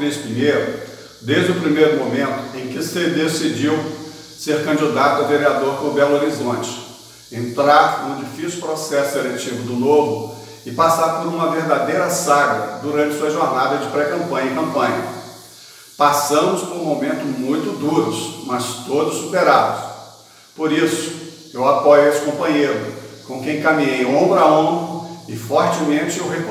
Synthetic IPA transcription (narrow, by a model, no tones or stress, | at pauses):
ɾesɪiɲeɾʊ | d̪eʒd͡ʒʊpɾimejɾʊmomẽnt̪ʊ̥ẽj̃kɪsed̪esid͡ʒiw | seɾkɐ̃d͡ʒid̪at̪ʊɐveɾiad̪oɾkõbɛloɾizõt͡ʃɪ̥ | ẽnt̪ɾaɾnʊd͡ʒifisjʊupɾosɛsʊelet͡ʃivʊd̪ʊnovʊ | ɪpasaɾpoɾũmɐveɾd̪ad̪ejɾɐsaɡɐd̪uɾɐ̃t͡ʃɪ̥suɐʒoɾnad̪ɐd͡ʒɪpɾɛkɐ̃mpɐ̃ɲɐikɐ̃mpɐ̃ɲɐ | pasɐ̃mʊspoɾũmomẽnt̪ʊzmũj̃t̪ʊd̪uɾʊsmɐst̪od̪ʊssupeɾad̪ʊs | poɾisʊ̥ | ewapɔjʊest͡ʃɪ̥kõmpɐ̃ɲejɾʊkõkẽj̃kɐmĩɲejõbɾɐaõbɐɪfɔɾt͡ʃɪmẽnt͡ʃɪʊɦek